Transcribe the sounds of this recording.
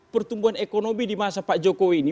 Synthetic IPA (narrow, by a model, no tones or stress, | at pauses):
pərt̪umbuɦanɛkɔnomidimasapaʔd͡ʒɔkowini